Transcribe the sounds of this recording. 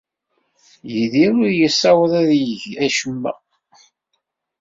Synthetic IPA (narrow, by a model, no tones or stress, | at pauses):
jiðiɾʊɾjəsˤːɑwəðˤæðjəʝæʃəmːæ̰